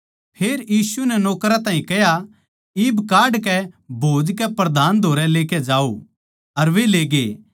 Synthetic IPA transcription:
pʰeːɾjiːsunɛnɔːkɾat̪ãːĩkɛja | iːbkaːɖkɛbʱoːd͡ʒkɛpɾɐd̪ʱaːnd̪ʱoːɾɛleːkɛd͡ʒaːo̰ | ɐɾʋeleːɡeː

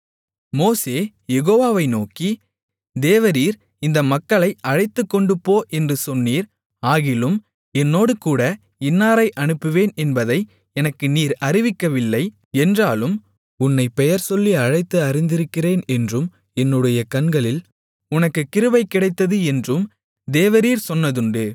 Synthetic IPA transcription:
moːseː | jɛɣoːʋaːʋɐɪnoːki | d̪eːʋɐɾiːɾ | ɪnd̪ɐmɐkːɐɭɐɪɐɻɐɪt̪ːɯkːɔɳɖɯpːoːʔɛndrɯsɔnːiːɾ | aːɣɪlɯm | ɛnːoːɽɯkuːɽɐ | ɪnːaːɾɐɪʔɐnɯpːɯʋeːnɛnbɐðɐɪ | ɛnɐkːɯniːɾɐɾɪʋɪkːɐʋɪlːɐɪ | ɛndraːlɯm | ʊnːɐɪpɛjɐɾsɔlːiɐɻɐɪt̪ːɯɐɾɪnd̪ɪɾɯkːɪreːnɛndrɯm | ɛnːɯɽɐjɐkɐnɡɐɭɪl | ʊnɐkːɯkːɪɾɯʋɐɪkːɪɽɐɪt̪ːɐðɯɛndrɯm | d̪eːʋɐɾiːɾsɔnːɐðɯɳɖɯ

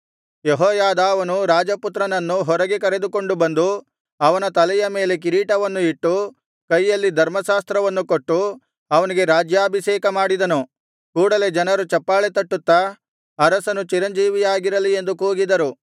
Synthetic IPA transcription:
jeɦɔːjaːd̪aːʋɐnuɾaːd͡ʒɐput̪ɾɐnɐnːuɦɔɾɐɡekɐɾe̞d̪uko̞ɳɖubɐnd̪u | ɐʋɐnɐt̪ɐlɛjɐme̞ːle̞k̬iɾiːʈɐʋɐnːuiʈːu | kɐjːɐlːid̪ʱɐɾmɐʃaːst̪ɾɐʋɐnːukoʈːu | ɐʋɐniɡe̞ɾaːd͡ʒjaːbʱiʃɛːkɐmaːɽid̪ɐnu | kuːɽɐle̞d͡ʒɐnɐɾut͡ʃɐpːaːɭet̪ɐʈːut̪ːɐː | ɾɐsɐnut͡ʃiɾɐɲd͡ʒiːʋijaːɡiɾɐlie̞nd̪ukuːɡid̪ɐɾu

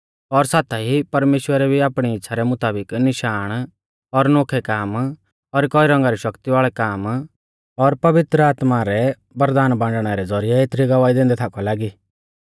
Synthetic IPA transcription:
ɔɾsaːt̪ʰaɦipɐɾmeːʃwəɾɛbʱiaːpɽ̃iɪtːʃʰaɾɛmʊt̪aːbɪknɪʃaːɽ̃ | ɔɾnoːkʰɛkaːm | ɔɾkɔiɾɐ̃ŋɡaɾiʃɐkt̪iʋaːɭɛkaːm | ɔɾpɐʋɪt̪ɾəaːt̪maɾɛ | bɐɾd̪aːnbãːɳɖɽ̃ɛɾɛd͡zɔɾɪjɛeːt̪ʰɾiɡɐʋaːid̪ẽːnd̪ɛt̪ʰakʰɔlaːɡiː

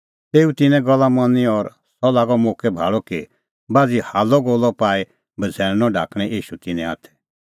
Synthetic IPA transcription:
t̪eːut̪ɪnɛ̃ɡɔlːamɐnĩɔɾ | sɔlaːɡɔmoːkʰɛbʱa̰ːɭɔki | baːd͡zihaːlɔɡolːɔpaːi | bɐd͡zʱɛːɭ̃nɔ̃ɖʱa̰ːkʰɽ̃ɛ̃ʔiːʃut̪ɪnɛ̃a̰ːt̪ʰɛ̥

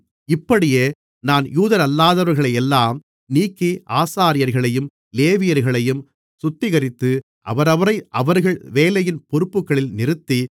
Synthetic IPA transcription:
ɪpːɐɽɪjeː | naːnjuːðɐɾɐlːaːðɐʋɐɾɣɐɭɐɪɛlːaːm | niːkːiʔaːsaːɾɪjɐɾɣɐɭɐjɯm | leːʋɪjɐɾɣɐɭɐjɯm | sʊt̪ːɪɣɐɾɪt̪ːɯ | ʔɐ̰ʋɐɾɐʋɐɾɐɪʔɐʋɐɾɣɐɭʋeːlɐjɪnpɔɾɯpːɯkːɐɭɪlnɪɾɯt̪ːi

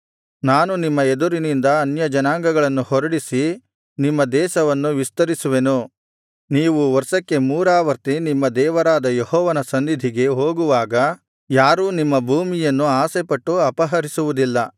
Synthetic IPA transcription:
naːnunimːɐed̪uɾinind̪ɐːnjɐd͡ʒɐnaːŋɡɐɡɐɭɐnːuhɔɾɐɽisi | nimːɐd̪ɛːʃɐʋɐnːuʋist̪ɐɾisuʋe̞nu | niːʋuʋɐɾsɐkːe̞muːɾaːʋɐɾt̪inimːɐd̪ɛːʋɐɾaːd̪ɐjehɔːʋɐnɐsɐnːid̪ʱiɡe̞ɦo̞ːɡuʋaːɡɐ | jaːɾuːnimːɐbʱuːmijɐnːuaːsepɐʈːuɐpɐɦɐɾisuʋud̪ilːɐ

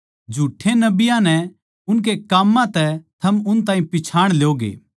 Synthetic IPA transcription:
d͡ʒʱuːʈʰːenɐbɪjãnɛ | ʊnk̬ekaːmːãt̪ɛt̪ʰɐmʊnt̪̬ãːĩpɪt͡ʃʰaːɽ̃lejoːɡḛː

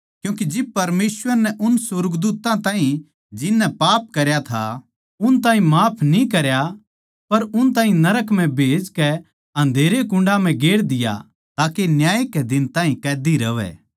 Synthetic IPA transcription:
kjũːkid͡ʒɪb̚pɐɾmeːswəɾnɛʔʊnsʊɾɡd̪uːt̪ãt̪ãːɦĩ | d͡ʒɪnːɛpaːp̚kɐɾjat̪ʰa̰ | ʊnt̪aːɦĩmaːpʰnĩkɐɾja | pɐɾʊnt̪ãːɦĩnɐɾəkm̤ɛ̃bʱeːd͡ʒkɛ | ɐ̃nd̪ʱeːɾekʊ̃ɳɖam̤ɛ̃ɡeːɽd̪ɪja̰ | t̪aːkenjaːekɛd̪ɪnt̪aːɦĩkɛːd̪iɾɐʋɛ̰ː

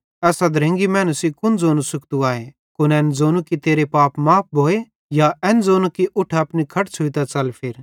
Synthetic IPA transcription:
ɛːsad̪ʱɐɾẽŋɡimɛ̃ːnusikʊnd͡zoːnusʊkt̪uaːe | kʊnɛ̃ːnd͡zoːnukit̪eːɾepaːpmaːp̚ʰbʱoːe | jaɛːnd͡zoːnukiʔʊʈʰaɐpnikʰɐʈsʰʊit̪at͡sɐlpʰɪɾ

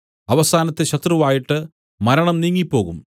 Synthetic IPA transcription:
ɐʋɐsaːnɐt̪ːeɕɐt̪ruʋaːjiʈːɨ | mɐɾɐɳɐmniːŋːipːo̞ːɣum

